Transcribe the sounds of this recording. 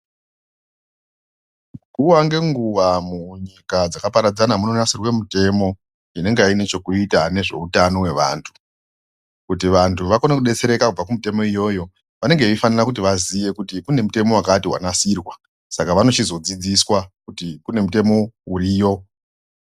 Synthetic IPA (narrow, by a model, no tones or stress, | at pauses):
kuwaŋɡe̞ŋɡuʋamuɲikad͡zakapaɾad͡zanamuno̞nasirwe̞mute̞mo̞ | ine̞ŋɡeaine̞t͡ʃo̞kuitane̞ʐe̞̰utano̞we̞ʋa̰ːntʰu̥ | kut̬iʋantʰuʋakonekuɗe̞t͡se̞ɾe̞kakub͡vakumute̞mo̞ijo̞jo̞ | ʋane̞ŋɡeifanirakut̬iʋazije̞kutikune̞mute̞mo̞wakatiɦwa̰nasiːrwa | sakaʋano̞t͡ʃizo̞d͡zid͡ziswakutikune̞mute̞mo̞uɾiːjo̞